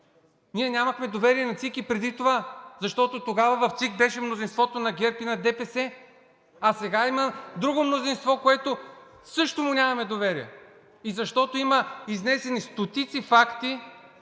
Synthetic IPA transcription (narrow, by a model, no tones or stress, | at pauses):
nʲiɛnʲamɐxmɛd̪ovɛɾiɛnɐt̪sikipɾɛd̪it̪ovazɐʃt̪ɔt̪ot̪oɡavɐvɐft̪sikbɛʃɛmnozinst̪vɔt̪onɐɡʲɛɾpinɐd̪ɛpɛsɛ | ɐsɛɡaimɐd̪ɾuɡomnozinst̪vɔkoɛt̪o | sɤʃt̪omʊnʲamɐmɛd̪ovɛɾiɛ̰ | izɐʃt̪ɔt̪oiməiznɛsɛnist̪ot̪it̪sifakt̪i